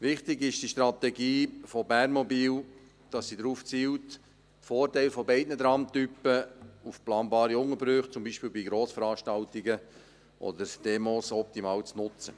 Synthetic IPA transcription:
ʋɪχtɪɡɪʃd̥iʃtɾɑt̪ɛɡiːfɔbærnmɔbiːl | d̥ɑsːidɾuːft͡siːwt | tfoːrtɛɪlfɔbɛɪdnədɾɑmt̪ypəufplɑːnbɑːɾiʊŋəbɾʏχt͡sʊmbiːʃpiːlbiɡɾoːsfəɾɑːʃtɑltiɡə | ʔɔ̰dəɾd̥emoːsɔp̚timɑːlt͡snʊt͡sə

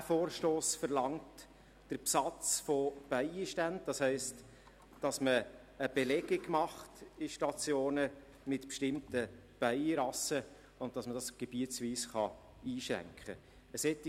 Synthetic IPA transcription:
foːɾʃtoːsfəɾlɑŋt | d̥əɾpsɑt͡sfob̥æɪiʃtænd̚d̥ɑshɛɪst | d̥ɑsməː | b̥elɛɡɪɡmɑχtɪʃtɑt͡sjoːnə | mɪtpʃtɪmtə | b̥æɪɾɑsə | ʊn̚d̥ɑsmədɑsɡ̥eb̥iət͡sʋiːsχɑ̰ | iːʃɾæ̰ŋkχə̰ | əsɛtː

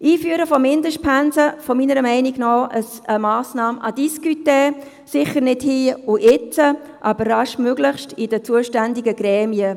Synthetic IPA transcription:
ʔiːfyəɾəfɔmɪndəʃt̚pʰænsəfɔminəɾəmɛɪnɪɡ̥nɔʔəs | əmɑːsnɑːmʔɑd̥iskyteː | sɪχəɾnɪdhiːuʔɪt͡sə | ʔɑbəɾːɑʃmøɡlɪχʃtɪdət͡suəʃtændɪɡəɡ̥ɾɛːmiə

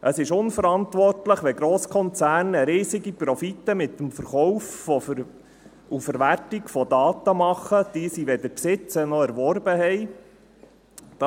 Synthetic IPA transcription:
ʔəsɪʃʊnfəɾɑnt̪ʋɔrtləχʋɛɡɾɔːskʰɔnt͡sæːrnəɾiːsɪɡipɾɔfitəmɪt̪ːəmfəɾχɔwffɔ | ufəɾʋærtɪkfɔd̪ɑːt̪əmɑχːəd̥iəsiʋɛdəɾpsɪt͡sənɔæɾʋɔɾbəhɛj | d̥ɑ

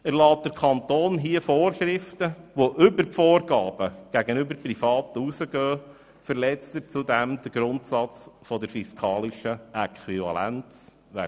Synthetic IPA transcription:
əɾlɑːt̚d̥əɾkʰɑnt̪oːnɦiəfoːrʃɾɪft̪əʋoʔʏbəɾpfoːɾɡɑːb̥əɡ̥æɡənʏbəɾprifɑːt̪əusəɡœː | fəɾlɛt͡stətt͡sud̪æmd̥̪əɾɡ̥ɾʊnt̪sɑt͡sfɔd̪əɾfiskʰɑːliʃəɛkχwivɑ̰læ̰nt͡s | ʋæ̰

